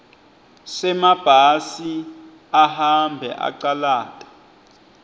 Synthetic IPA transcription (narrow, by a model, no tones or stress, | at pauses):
sɛmab̥ʱasi | ahambʱɛ̰ʔa̰ǀalaːtʼḁ